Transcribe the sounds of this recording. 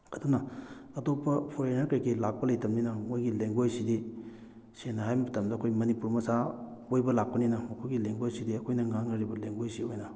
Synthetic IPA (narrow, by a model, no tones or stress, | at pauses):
ɐdunɐɐtopːɐpʰoɾenaɾkɐjkilak̚pɐlɐjtɐmninɐmojɡileŋɡojsidi | senɐɦajmɐtɐmdɐɐkʰojmɐnipuɾmɐsa | ojbɐlak̚pɐninɐmɐkʰojɡileŋɡojsidiɐkʰojnɐŋaŋɐɾibɐleŋɡojsiojnɐ